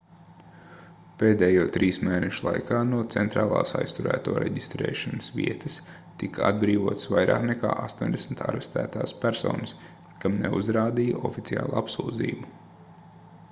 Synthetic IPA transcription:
peːd̪ɛːjuɔt̪ɾiːsmeːnɛʃulˠa̰jkaːnuɔt̪sɛnt̪ɾaːlˠɑ̰ːsa̰jst̪uɾæ̰ːt̪uɔːɾɛ̰ɟist̪ɾɛ̰ːʃanəsviɛt̪əs | t̪ikaa̰d̪bɾiːʋuɔt̪svajɾʔa̰ːkneka̰ːʔast̪uɔnʲd̪esm̩t̪ʰa̰ɾɛst̪æ̰ːt̪aːspæɾsɔ̰ːnɐs | kamnḛṵzɾaːd̪ija̰ʔɔfit̪sia̰ːlˠapsuːd̪zḭːbu

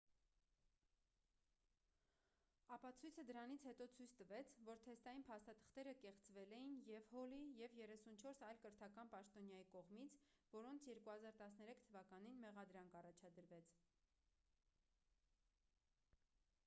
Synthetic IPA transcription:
ɑpɑt͡sʰujt͡sʰəd̪əɾɑnit͡sʰhɛt̪ɔt͡sʰujt͡sʰt̪əvɛt͡sʰvɔɾt̪ʰɛst̪ɑjinpʰɑst̪ɑt̪ʰə̥χt̪ɛɾəkɛχt͡svɛlɛjinjɛvhɔlijɛvjɛrɛsunt͡ʃʰɔɾsɑjlkəɾt̪ʰɑkɑnpɑʃt̪ɔnjɑjikɔʁmit͡sʰvɔɾɔnt͡sʰjɛɾkuhɑzɑɾt̪ɑsnɛɾɛkʰt̪ʰəvɑkɑninmɛʁɑd̪ɾɑŋkɑrɑt͡ʃʰɑd̪əɾvɛt͡sʰ

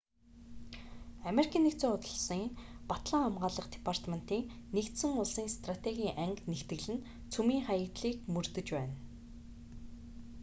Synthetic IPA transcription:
ameɾikʰʲiːnːekt͡soːʊt̪̆ɮsiːŋpat̪ɮə̆ŋχamɢaːɮə̆χt̪e̥pʰar̥t̪men̥t̪iːŋnekt̪sɘ̆ŋʊɮsiːŋst̪rat̪eɣʲiːŋʔæŋknext̪ɘ̆ɣɮɘ̆n | t͡sʰumiːŋχajə̆kt̪ɮiːkmɵrt̪ɵ̆t͡ɕpæːn

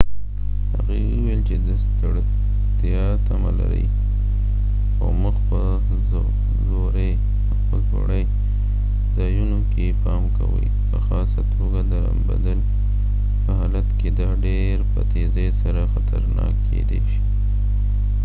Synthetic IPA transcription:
ha̰ɣe | uwelt͡ʃed̪əs | t̪jɑt̪amalaɾə̰j | xoməxpə | zoɾej | əpəlso̰ɽəj | zɑjunokepɑmkʰawə̰j | pəxɑsat̪ʰoɡad̪əa̰mba̰d̪əl | pəhɑlat̪ked̪ɑɖe | ɾpət̪ezesaɾaxat̪aɾnɑkʰːed̪eʃi̥

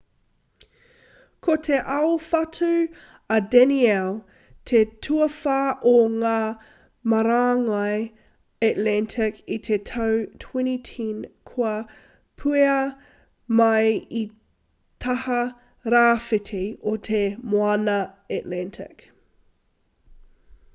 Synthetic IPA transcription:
kʰotʰeʔɐwfɐtʰu | ɐdɛniɛl | tʰetʰuɐfaːʔoŋaː | mɐɾaːŋɐj | ɛtlɛntʰɪkit̪ʰetʰɐwtʰwɛ̃ñitʰĩnkʰuɐ | pʰʉeɐ | mɐji | tʰɐhɐ | ɾaːfɪtʰeot̪ʰemoɐnɐ | ɛtlɛntʰɪ̰k

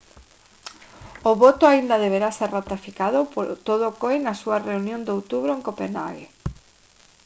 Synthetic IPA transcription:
oβot̪oaind̪að̞eβeɾaseɾrat̪afikaðopot̪oðokojnasuareunjõnd̪owt̪uβɾoeŋkopena̰ɣḛ

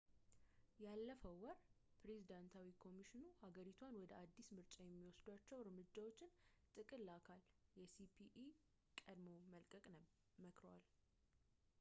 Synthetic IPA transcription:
jalːəfəwɔɾ | pʰɾe̞zid̪ant̪ʰawikʰo̞miʃɪnuhaɡəɾit̪ʰwanwɔd̪əʔad̪ːismɨɾt͡ʃʼajɛmːiwɔsd̪wat͡ʃːɛwɾmɨd͡ʒːawo̞t͡ʃːɪnt̪ʼɨkʼɨlːakʰaljɛsipʰiʔi | kʼəd̪mo̞məlkʼəkʼ | məkɾəwa̰l

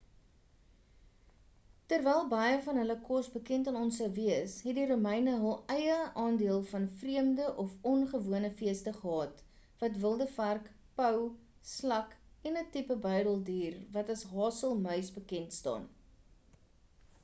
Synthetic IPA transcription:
tərvɛjlˠbɐjəfɐnɦələkɔsbəkɛntɑnɔnsəwviəsɦɛdiɾumɛjnəɦəlˠɛjəʔɑːndiəlˠfɐnfriəmdəʔɔfɔnχəvuənəfiəstəχəɦɑːt | vɐtvəlˠdəfærk | pəw | slɐkɛnətipəbœɥdəlˠdiːrvɐtɐsɦɑːsəlˠmœɥsbəkɛntstɑ̰ːn

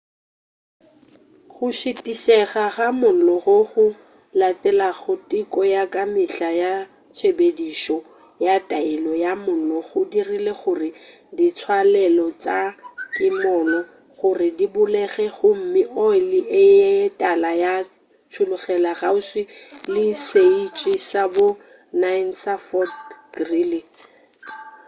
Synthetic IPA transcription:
χʊʃɪtʼiʃɛɣaɣamʊn̩lɔɣʊɣʊ | latʼɛlaɣʊtʼikʼɔjakʼamɪɬaja | t͡ʃʰebediʃɔ | jatʼaɪlɔjamʊlɔɣʊdirileχʊrɪ | dit͡sʰwalɛlɔt͡ʃʼakʼɪmɔːnɔ | ɣʊrɪdibʊlɛɣɛɣʊm̩mɪʔɔlɪʔɪetʼalaja | t͡ʃʰʊlʊɣɛlaɣaʊswɪlɪseit͡ʃʼisabʊ | nansafɔdɡrilɪ

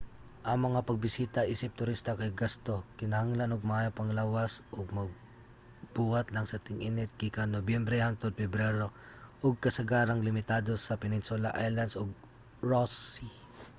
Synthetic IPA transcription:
ʔɐŋmɐŋapɐɡ̚bɪsiːt̪aʔiːsɪp̚t̪ʊɾist̪ɐkɐjɡast̪okɪnɐhaŋlanoɡ̚mɐhaːjapɐŋlaːwasʔoɡ̚mɐɡ̚ | b̥uːat̪lɐŋsɐt̪ɪŋʔinɪt̪̚kikanobjɛmbɾɛhaŋt̪od̪̚fɛbɾɛɾo | ʔoɡ̚kɐsɐɡaːɾɐŋlɪmɪt̪ad̪o̞sɐpɛnɪnsʊlaʔajland̪soɡ̚ | ɹosi

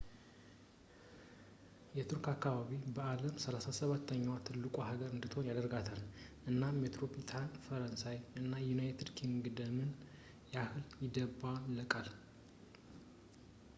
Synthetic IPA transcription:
jɛt̪ʰɨɾkakːaβaβibəaləmsəlasasəβat̪ʰːəɲːwat̪ʰɨlːɨkʼoɦaɡəɾɨnd̪ɨt̪ʰhonjad̪əɾɡat̪ʰal | ɨnːammet̪ɾopʰit̪ʰanfəɾənsajɨnːajunajt̪ʰɪd̪kʰiŋɡd̪əmɨn | jɛahɨljɪd̪əbalːəkʼal

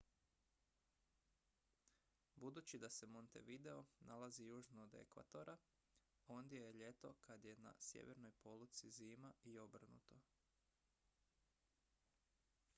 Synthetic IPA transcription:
bud̪uːt͡ɕid̪ase̞mo̞nt̪ḛʋid̪eo̞nalazijuːʒnoːd̪e̞̰kʋa̰t̪o̞ɾʔa | o̞nd̪je̞jeʎe̞t̪o̞kad̪je̞na̰sjḛʋe̞ɾno̞jpo̞lˠut̪siziːmaio̞br̩nṵt̪o̞

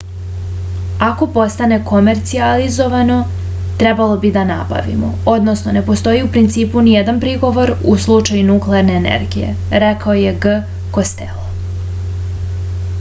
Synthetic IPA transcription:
ako̞po̞st̪ane̞ko̞me̞ɾt̪sializo̞ʋano̞ | t̪ɾe̞balˠo̞bid̪ana̰ba̰ʋḭmo̞̰o̞d̪no̞sno̞ne̞po̞st̪o̞iupɾint̪siːpunije̞d̪anpɾiɡo̞ʋo̞ɾuslˠut͡ʃajunukleaɾne̞ːnḛɾɡije̞̰ | ɾekaoje̞ɡ | ko̞st̪ḛlˠo

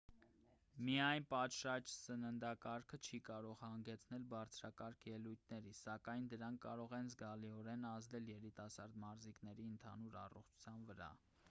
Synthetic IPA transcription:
miɑjnpɑt̪ʃɑt͡ʃsənənd̪ɑkɑɾkʰət͡ʃʰikɑɾɔʁhɑŋɡɛt͡sʰnɛlbɑɾt͡sʰɾɑkɑɾkʰjɛlujt̪̚ʰnɛɾisɑkɑjnd̪əɾɑŋkʰːɑɾɔʁɛnzɡɑliɔɾɛnɑzd̪ɛljɛɾit̪ɑsɑɾd̪mɑɾziknɛɾiənt̪ʰɑnuɾɑ̰rɔ̰χt͡ʃʰu̥t͡sʰjɑnvəɾɑ̰

